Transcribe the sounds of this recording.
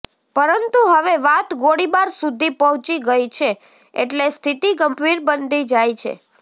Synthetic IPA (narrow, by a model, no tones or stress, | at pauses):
pəɾənt̪uɦəʋeʋat̪ɡoɽibaɾsud̪ʱipəɦũt͡ʃiɡəjt͡ʃʰe | ḛʈlest̪ʰit̪iɡəmbʱiɾbənd̪ʱid͡ʒajt͡ʃʰḛ